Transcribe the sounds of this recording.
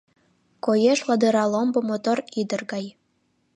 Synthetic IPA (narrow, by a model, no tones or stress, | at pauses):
kojeʃlˠɑd̪ɤɾɑlˠombŏmot̪orid̪ə̆rɣɑj